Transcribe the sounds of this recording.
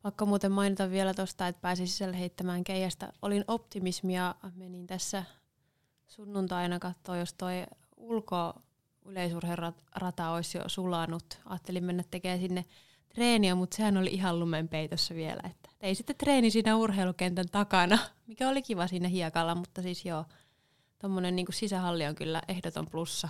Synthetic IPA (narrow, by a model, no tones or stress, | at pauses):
pɑkːomuːt̪emmɑinit̪ɑʋʋielæt̪ost̪ɑet̪̚pæːsisi̥sælːheit̪ːæmæːŋkeihæst̪æ̰ʔolinopt̪imismijɑmenint̪æsːæ | sunːunt̪ɑinɑkɑt̪ːoːjost̪oi | ulko | yleisurherɑ | rɑt̪ɑoisjo̰sulɑnut̪ɑ̰ːt̪ːelimmenːæt̪t̪ːekeːsinːe | t̪reːniɑmut̪sehænolḭʔiɦɑllumempeit̪osːæʋiḛlæ̰et̪ːæ̥t̪eisit̪ːet̪reːnisiːnæurheilukent̪ænt̪ɑkɑnɑmikæolikiʋɑsiːnæhiɑkɑlːɑmut̪ːɑsisjoː | t̪omːonenniːŋkussisæhɑlːioŋkylːæ̰ʔehdot̪o̰mplusːɑ